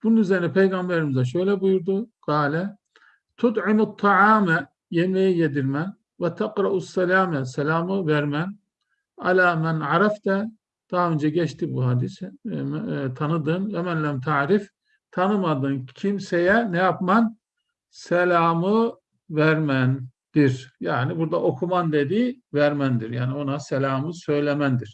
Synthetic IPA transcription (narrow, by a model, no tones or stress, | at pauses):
b̥ununyzeɾinɛpʰejɡambeɾimizaʃ̬ø̞jlʲɛbujuɾd̪uɡ̥ɑːlʲɛ | t̪ʰut̪ˤʕɪmat̪ʰːɑʕaːmɛ | jemejijed̪iɾmæn | wɛt̪ʰaqɾɑʔusːɛlaːmɛsɛlʲaːmɯvæɾmæn | ʔa̰lʲaːmænʕaɾɑft̪ʰɛ | d̪̥aɦaø̞nd͡ʒɛɟɛt͡ʃt̪ibuɦad̪is | t̪ʰanɯd̪ɯmɛmænlæmt̪ʰaʕɾif | t̪ʰanɯmad̪ɯncʰimsejɛnɛjapmɑn | sɛlʲaːmɯ | væɾmæn | d̪̥iɾjaːnibuɾd̪aʔo̞kʰumand̪ed̪ivæɾmænd̪iɾjaːnibonasɛlʲaːmɯsø̞jlʲɛmænd̪iɾ̥